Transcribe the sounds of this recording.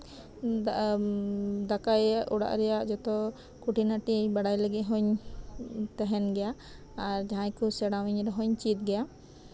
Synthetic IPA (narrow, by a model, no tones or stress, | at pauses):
d̪akajaʔɔɽa̰ʔɾɛjaʔd͡ʒɔt̪ɔ | kuʈinaʈibaɽajlɛɡɛɦɔɲ | t̪ɛɦɛnɡɛja | aɾd͡ʒaɦãjkusɛɽawiɲɾɛɦɔɲt͡ʃit̪̚ɡɛja